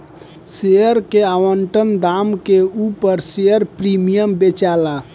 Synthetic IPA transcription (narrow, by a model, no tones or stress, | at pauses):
sejəɾkeaʋəɳʈənd̪amkeupəɾsejəɾpɾimijəmbet͡ʃala